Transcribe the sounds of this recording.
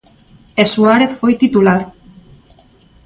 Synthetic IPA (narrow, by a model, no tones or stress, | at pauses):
esuaɾeθfojt̪it̪ulaɾ